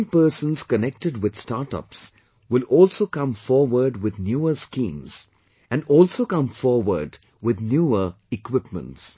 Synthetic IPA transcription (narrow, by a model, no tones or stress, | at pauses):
pəːsə̃nz̥kənɛk̚ʈəɖwɪd̪̥staːɾʈʌ̰ps | wɪlɔːlsoːkʌ̃mfɔːɾwəɾɖwɪd̪njuəskĩːmz̥ | æ̃nɔːlsoːkʌ̃mfɔːɾwə̰ɾɖ | wɪd̪njuːə | ɪkwɪpmə̰̃nts